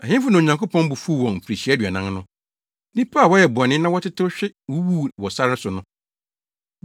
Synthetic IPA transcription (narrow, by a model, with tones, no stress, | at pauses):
a˨hɪ̃˦m˦fʊ˦nã˨ɲã˨ŋkʰo˦pʰɔ̃˦n˦bu˨fu˦˨wɔ̃˨nm̩˨pʰɾi˨ɕi˨˦ɛ˦dɥa˨nã˦ŋnʊ̃˦ | nĩ˦pʰa˦˨wɔ˦jɛ˨bʊ˨ɔ˨nɪ̃˦nã˦wɔ˦tʰɪ˦tʰɪ˦ɕᶣɪ˦wu˦wuː˦˨wɔ˨sa˦ɾɪ˦sʊ˨nʊ̃˦